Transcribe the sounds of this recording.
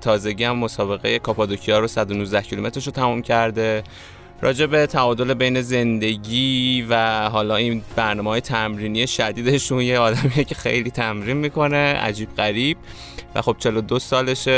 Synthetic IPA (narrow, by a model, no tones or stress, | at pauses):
t̪ʰɒːze̞ɟiːæmːo̞sɒːbe̞ɣeje̞kʰɒpɒd̪ocʰiɒːɾosæd̪onuːzd̪æhcʰilome̞t̪ɾeʃot̪ʰæmumcʰæɾd̪e̞ | ɾɒ̰ːd͡ʒe̞be̞t̪ʰæɒːd̪o̞le̞be̞jne̞ze̞nd̪e̞ɟʲiːvæɦɒːlɒːinb̥æɾnɒːmehːjet̪ʰæmɾiːnije̞ʃæd̪iːd̪e̞ʃunjeɒːd̪æmijecʰe̞xḛjliːt̪ʰæmɾiːnmiːkʰo̞ne̞ʔæ̰d͡ʒiːbɢæɾiːb̥̚ | væ̰xo̞b̥̚t͡ʃʰe̞lo̞d̪osɒːle̞ʃe